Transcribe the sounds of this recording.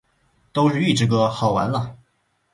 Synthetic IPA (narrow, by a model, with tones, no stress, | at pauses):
t̪o˥ʊʂɻ̩˥˧y˥˧˩ʈ͡ʂɻ̩˥˩k̬ɤ˥˩xɑ˨˩ʊwa̰˧˥nlə˧